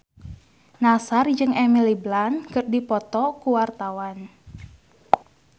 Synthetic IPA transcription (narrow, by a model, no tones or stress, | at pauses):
nasard͡ʒɨŋɛmiliblankɨrdipɔt̪ɔkuwart̪awan